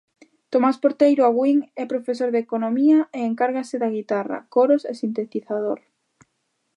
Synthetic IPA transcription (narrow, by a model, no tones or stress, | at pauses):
t̪omaspoɾt̪ejɾoaβwiŋɛpɾofes̬oɾðekonõmiɐeeŋkaɾɣasɪðaɣ̞it̪ara̰koɾosesint̪et̪iθaðoɾ